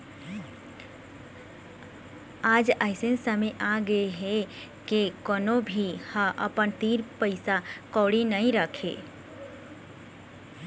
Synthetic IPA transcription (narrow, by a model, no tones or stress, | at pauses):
aːd͡ʒəɪsensəmeʔaɡəeɦɛkekɔnõbʱihə̃ʔəpənt̪iːɾpəɪsakɔːɽinəĩɾəkʰḛ